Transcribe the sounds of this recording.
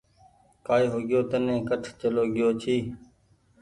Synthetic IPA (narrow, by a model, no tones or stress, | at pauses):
kaːiːɦoːɡɪjoːt̪ənẽːkəʈʰt͡ʃəloːɡɪjoːt͡ʃʰiː